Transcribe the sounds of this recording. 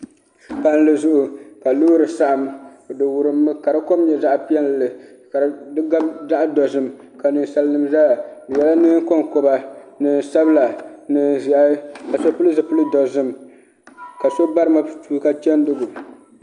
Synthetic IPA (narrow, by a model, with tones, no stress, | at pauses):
pa˦n˦lɨ˨zʊ˦ʔʊ˨ka˨luː˦ɾɨ˨sa˦ʔa˨m˨dɨ˨wʊ˨ɾɨ˨mːɨ˦ka˨ɾɨ˦ko˦mɲɛ˨za˦ʔpi˦ɛ˦n˨lɨ˨ | ka˨ɾdɨ˦ɡa˦bda˦ʔa˦dɔ˨zɨ˨m | ka˨nɨ˨n˨sa˦lɨ˦nɨ˨mzaː˦˨dɨ˨jɛ˨la˦nɨ˦ko˦ŋko˨ba˨nɨ˨n˨sa˦bɨ˦la˨nɨ˨zʔa˦ka˨so˦pu˦lɨ˦zɨ˨pʊ˦lɨ˦dɔ˨zɨ˦m | ka˨so˦ba˦ɾɨ˦ma˨tuː˦ka˦t͡ʃɛ˦n˦dʊ˦ɡʊ˨